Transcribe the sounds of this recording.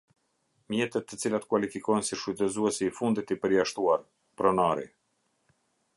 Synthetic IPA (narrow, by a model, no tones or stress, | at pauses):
mjɛt̪ɛt̪ːət͡silat̪kwalifikɔjnsiʃut̪ɛzuɛsiːfund̪it̪ipəɾjaʃt̪uaɾ | pɾɔnaɾḭ